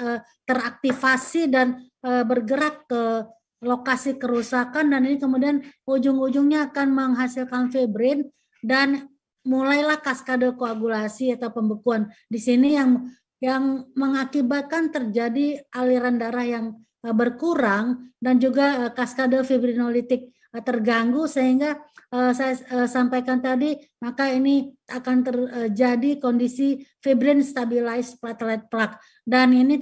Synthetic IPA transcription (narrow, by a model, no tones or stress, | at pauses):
ə | t̪ərak̚t̪ifasidan | əbərɡəɾak̚kə | lokasikəɾusakandaninikəmudianud͡ʒʊŋud͡ʒʊŋɲaːkanməŋɦasɪlkanfebɾɪn | dan | mulajlahkaskadokoaɡulasiat̪awpəmbukuandisinijaŋ | jaŋməŋakibat̪̚kant̪ərd͡ʒadiʔaliɾandaɾahjaŋ | əbərkuɾaŋdand͡ʒuɡaəkaskadofibɾinolit̪ɪk̚ | t̪ərɡaŋɡusəɦiŋɡaəsajaəsampajkant̪adi | makainiakant̪ərəd͡ʒadikondisifibɾɪnst̪abilaɪsplat̪lɛt̪̚plak̚ | danini